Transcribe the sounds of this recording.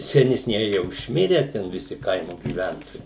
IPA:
sʲɛnʲɛsʲˈnʲiɛjɪ ˈjɛʊ ɪʃʲˈmʲɪrʲæː ˈtʲɛn ʋʲɪˈsʲɪ ˈkɐɪmoː ɡʲiːˈʋʲɛntoːjɛɪ

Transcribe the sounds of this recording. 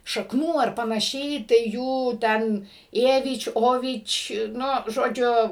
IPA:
ʃɐkˈnuː ɐr pɐnɐˈʃʲɛɪ tɐɪ ˈjuː ˈtʲɛn ˈeːʋʲɪt͡ʃʲ ˈoːʋʲɪt͡ʃʲ nʊ ʒoːˈd͡ʒʲʊ

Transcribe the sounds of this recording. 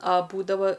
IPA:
ɐ ˈbuːdɐʋɐ

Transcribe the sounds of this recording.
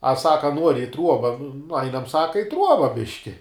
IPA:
ɐ ˈsɑːkɐ ˈnuɔrʲɪ ɪ ˈtruɔbɐ nʊ ˈɐɪnɐm ˈsɑːkɐ ɪ ˈtruɔbɐ ˈbʲɪʃʲkʲɪ

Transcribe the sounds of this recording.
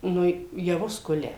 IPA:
ˈnʊ jɛˈʋʊs ˈkʊlʲɛ

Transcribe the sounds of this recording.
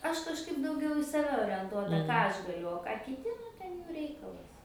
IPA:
ˈɐʃ kɐʃˈkɐɪp dɐʊˈɡʲɛʊ ɪ sɐˈʋʲɛ oːrʲɛnˈtuɔtɐ ˈkɑː ˈɐʃ ɡɐˈlʲʊ oː ˈkɑː kʲɪˈtʲɪ nʊ ˈtʲɛn ˈjuː ˈrʲɛɪkɐlˠɐs

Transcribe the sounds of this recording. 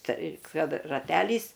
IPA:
ˈtɐɪ ˈkɐt rɐˈtʲæːlʲiːs

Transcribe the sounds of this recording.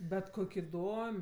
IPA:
bʲɛt ˈkoːkʲ ɪˈdoːmʲ

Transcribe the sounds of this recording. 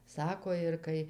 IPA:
ˈsɑːkoː ɪr ˈkɐɪ

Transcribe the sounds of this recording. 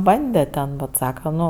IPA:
ˈbɐnʲdʲɛ tʲɛn bʲɛt ˈsɑːkɐ ˈnʊ

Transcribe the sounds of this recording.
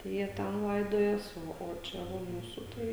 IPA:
tɐɪ ˈjiɛ ˈtʲɛn ˈlˠɐɪdoːjɛs ˈoː oː ˈt͡ʃʲɛ ˈʋɐ ˈmuːsʊ ˈtɐɪ

